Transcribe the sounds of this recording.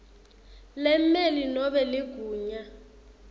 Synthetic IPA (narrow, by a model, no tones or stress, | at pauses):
lɛmmelinɔɓɛlɪɡ̥ʱuːɲa